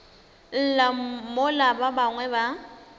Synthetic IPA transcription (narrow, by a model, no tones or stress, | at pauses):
l̩lamolababaŋwɛba